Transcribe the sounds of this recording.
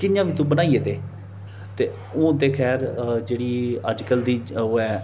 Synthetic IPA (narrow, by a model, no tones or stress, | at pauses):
kɪnjãːʋiːt̪ũːbənaːiːeːt̪eː | t̪eː | õːt̪eːkʰɛːɾd͡ʒeːɽiːəd͡ʒkəld̪iːoɛː